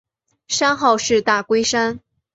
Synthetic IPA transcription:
ʂa˥nxɑ˥˧ʊʂɻ̩˥˧t̪a˥˩kwe˥ɪʂa˥n

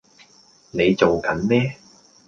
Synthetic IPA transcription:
ne˨˧jt͡so˨wkɐ˨˥nmɛː˥

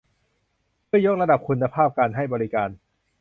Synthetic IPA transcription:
mʰɯ˥˩ɐjo˦˥k̚ɾa˧da˨˩p̚kʰu˧nːa˧pʰaː˥˩p̚kaː˧nɦa˥˩jbɔː˧ɾi˦˥kaː˧n

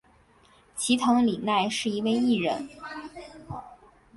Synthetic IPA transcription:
t͡ɕʰi˧˥t̪ʰɤ˧˥ŋli˨˩na˥˧ɪʂɻ̩˥˩i˧˥we˥˧ɪi˥˩ɻə̰˧˥n

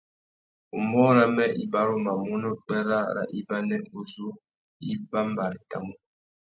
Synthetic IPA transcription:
u˨mɔ˦ɾa˦mɛ˦ʔi˦ba˦ɾo˦ma˨mu˦no˦k͡pɛ˦ɾa˦˨ɾa̰˨ʔi˦ba˦nɛ˦u˨zu˦ | i˦ba˦m˦ba˨ɾi˨ta̰˨mu˦

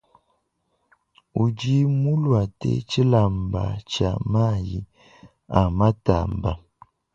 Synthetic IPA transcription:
u˨d͡ʒi˦mu˦lwa˨tḛ˦t͡ʃi˦la˨m̩˨ba̰˨t͡ʃa̰˨ma˦˨ji˦ | a˨ma˦ta̰˨m̩˨ba˨

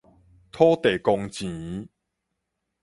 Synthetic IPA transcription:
t̪ʰɔ˦t̪e˨˩kɔ˧ŋt͡ɕĩ˨˦

